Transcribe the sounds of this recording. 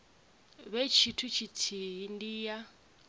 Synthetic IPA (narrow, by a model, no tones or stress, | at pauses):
βet͡ʃʰitʰut͡ʃʰitʰiɦindiːja